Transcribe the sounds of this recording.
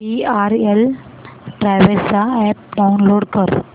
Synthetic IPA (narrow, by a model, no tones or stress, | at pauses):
iaɾel | ɖɾaʋesaɛp̚ɖaunloːɽkəɾ